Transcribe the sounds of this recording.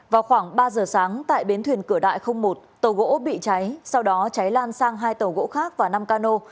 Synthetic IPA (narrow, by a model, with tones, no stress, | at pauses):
vaː˨˩wxwaː˧˩ŋɓaː˧zəː˨˩saː˨˦ŋt̪a̰ː˧˨jɓi˨˦nt̪ʰwi˨˩ənkɨ˧˩əɗa̰ː˧˨jxə˧wŋ͡mmo˨˩t̚t̪ə˨˩wɣo̰˧˥ɓḭ˧˨t͡ɕa˨˦jsa˧wɗɔ˨˦t͡ɕa˨˦jlaː˧nsaː˧ŋɦaː˧jt̪ə˨˩wɣo̰˧˥xaː˦˥k̚vaː˨˩na˧mkaː˧no˧